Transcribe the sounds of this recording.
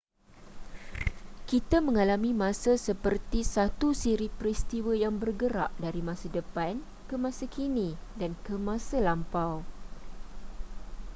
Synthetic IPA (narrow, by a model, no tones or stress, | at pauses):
kit̪amə̃ŋalamĩmãsasəpərt̪isat̪usiɾipɾist̪iwəjaŋbərɡəɾa̰ʔ̚daɾimãsadəpan | kəmãsakʰinĩdankəmãsalampaw